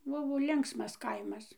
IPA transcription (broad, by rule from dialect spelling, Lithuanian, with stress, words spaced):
ˈbʊʋoː ˈlʲɪŋksmɐs ˈkɐɪmɐs